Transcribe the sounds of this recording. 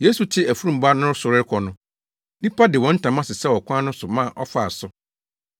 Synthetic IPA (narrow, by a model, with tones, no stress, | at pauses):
je˦su˨tʰɪ˦æ˨fu˦ɾũ˨m˨ba˦nʊ̃˦sʊ˨ɾɪ˦ɾkʰɔ˨nʊ̃˦ | dĩ˦pa˦dɪ˨wɔ̃˨˦n̩˦tʰã˨mã˦sɪ˨sɛ˦wɔ˨kʰʷã˦nʊ̃˦sʊ˨mã˦˨ʔɔ̰˦fa˨sʊ˦